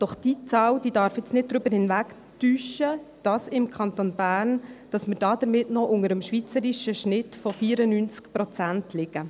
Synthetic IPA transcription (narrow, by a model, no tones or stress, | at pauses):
d̥ɔχd̥it͡sɑːld̥iːdɑɾfjɛt͡snɪt̚dɾʏbəɾhɪnvæk | tyːʃəd̥ɑsɪmkʰɑnt̪onbæːɾnd̥ɑsməɾd̥ɑːd̪̥əɾmɪtnɔʔʊŋəɾəmʃʋit͡səɾiʃəʃnɪtfɔfiːɾənynt͡skpɾɔt͡sæntʰlɪɡə